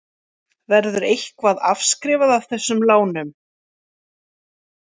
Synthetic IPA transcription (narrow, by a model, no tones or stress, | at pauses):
vɛɾðʏɾejhkvaða̰fskɾɪːvaðav̥θɛsːʏmlaːwnʏm